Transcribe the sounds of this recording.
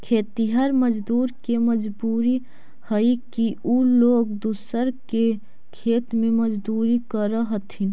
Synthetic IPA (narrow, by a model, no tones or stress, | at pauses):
kʰeːt̪iɦɐɾməd͡ʒd̪uːɾkeməd͡ʒbuːɾi | həikiuloːɡd̪usəɾke | kʰeːt̪mẽmɐd͡ʒd̪uːɾikəɾəɦət̪ɦɪn